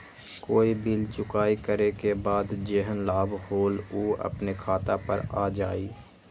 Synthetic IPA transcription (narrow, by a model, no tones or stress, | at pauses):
koːibilt͡ʃʊkaːikəɾekebaːd̪d͡ʒeːɦənlaːbʱhoːloːɐ̰pnekʰaːt̪apə̰ɾaːd͡ʒaːiː